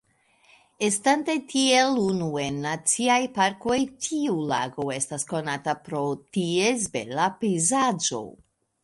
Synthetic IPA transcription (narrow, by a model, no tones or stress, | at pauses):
estantatʰielunue̞nːat͡siajpaɾko̞jtʰiulaɡo̞e̞stasko̞natapɾo̞tiezbe̞̰lapejzad͡ʒo̞̰